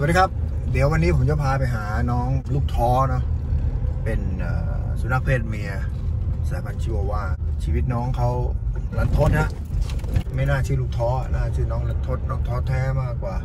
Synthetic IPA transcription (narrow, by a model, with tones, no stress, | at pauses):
swdiː˧kʰa˦˥p̚ | di˨˦əwa˧nːiː˦˥pʰo˨˦mt͡ɕa˧˩pʰaː˧pa˧jɦaː˩˦nɔː˦˥ŋluː˥˩k̚t̪ʰɔː˦˥nɔ˦˥ | pe˨nʔəː˨˩su˨˦na˧˥k̚pʰeː˧˥˩t̪̚mi˧˥ɐ | saː˧˩pʰa˧˩nt͡ɕʰi˧o˧waː˧t͡ɕʰiː˧˩i˦˥t̪̚nɔː˦˥ŋkʰa˦˥˩wla˨˧˥t̪ʰo˧˥t̪̚ha˧˥ | ma˥˩jnaː˥˩t͡ɕʰiː˧˩luː˥˩k̚t̪ʰɔː˦˥naː˥˩sʰɯː˧˩nɔː˦˥ŋla˧˥t̪ʰo˦˥˩t̪̚nɔː˦˥ŋt̪ʰɔː˦˧˥t̪ʰɛː˧˥˩maː˥˩kwaː˨˩